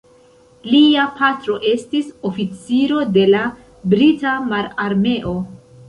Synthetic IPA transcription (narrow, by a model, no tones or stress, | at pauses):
liapʰatɾo̞ʔe̞stiso̞fit͡siɾo̞de̞la | bɾitamaɾaɾme̞ʔo̞